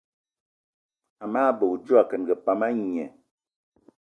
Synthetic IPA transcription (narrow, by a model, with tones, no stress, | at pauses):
a˨maː˦bə˨u˨d͡ʒu˦a˨kə˨nɡə˨pa˦ma˦ɲ˨ɛ˨